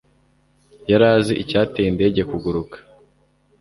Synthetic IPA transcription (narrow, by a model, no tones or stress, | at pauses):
jaɾaːziʔicaːtejinde̞ːɟe̞kuɡuɾukḁ